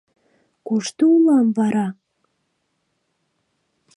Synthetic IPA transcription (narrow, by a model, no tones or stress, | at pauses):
kuʃt̪uulˠɑmvɑɾɑ